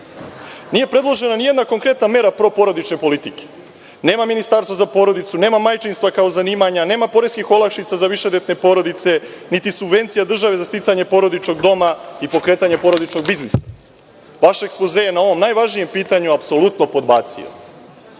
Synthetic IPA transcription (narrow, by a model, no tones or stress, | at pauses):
niːjepɾe̞d̪lˠo̞ʒe̞nanije̞d̪nako̞ŋkɾe̞t̪name̞ɾapɾo̞po̞ɾod̪it͡ʃne̞po̞lit̪ike̥ | ne̞ːmaminist̪aɾst̪vazapo̞ɾo̞d̪it̪sune̞ːmamajt͡ʃinst̪vakao̞zaniːmaɲane̞ːmapo̞ɾeskixo̞lˠakʃit̪sazaʋiʃed̪et̪ne̞po̞ɾo̞d̪it̪se̞ | nit̪isubve̞nt̪sijad̪r̩ʒaʋe̞zast̪it̪saɲe̞po̞ɾo̞d̪it͡ʃno̞ɡd̪o̞maipo̞kɾe̞ːt̪aɲepo̞ɾo̞d̪it͡ʃno̞ɡbiznisḁ | ʋaʃaekspozejenao̞ʋo̞mnajʋaʒnije̞mpiːt̪aɲuapso̞lut̪no̞po̞d̪baːt̪sḭjo̰m